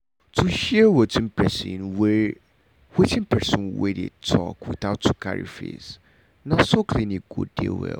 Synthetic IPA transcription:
tʰuʃɛwətĩnpʰɹɛsḭ̃nwɛ | wɛtĩnpʰɛsɔ̃nwḛdḛtʰɔ̰kwiθaʊtu̥kʰa̰ɹḭfḛs | nasokʰlĩniɡ̥ṵdḛwɛ̰

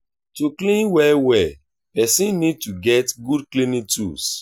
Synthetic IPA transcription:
tuklĩnwɛwɛ | pɛsĩnːid̚tuɡɛtɡud̚klĩnĩtṵs

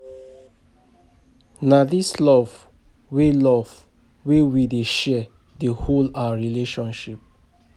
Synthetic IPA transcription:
nadislɔv | welɔv | wewideʃɛ | deholawaɹileʃɔ̃nʃip̚

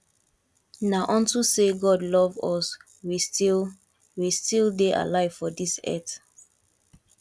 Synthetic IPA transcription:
naʔɔ̃ntuseɡɔdlɔvɔs | wistil | wistilˠdeʔa̰laɪv̥fɔdisɛ̰t

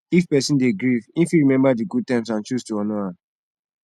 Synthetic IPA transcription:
ifpɛsĩndeɡɹivĩfiɹimɛ̃mbadiɡud̚tãmsãnt͡ʃustuɔnoã

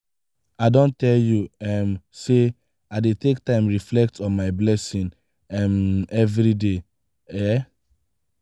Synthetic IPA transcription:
aɪdõntɛljuɛmse | aɪdetek̚tãɪ̃mɹiflɛk̚tʰɔ̃nmaɪblɛsĩn | ɛmɛvɹide | ɛ

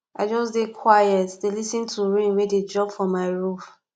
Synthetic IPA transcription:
aɪd͡ʒɔsdekʰwajɛtdelisĩntʰuɹĩmweded͡ʒɹɔ̃pfɹɔ̃mːaɪɹuf

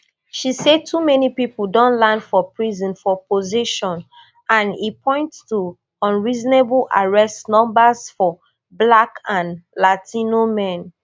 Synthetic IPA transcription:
ʃised̚tʰumɛnipipl̩dɔ̃nlãnfɔpɹizɔ̃nfɔpoziʃɔ̃n | ʔãnipʰɔ̃ɪ̃nttu | ɔ̃nɹizneblʔa̰ɹɛstnɔ̃mbazfɔ | blakãnlatʰĩnomɛ̃n

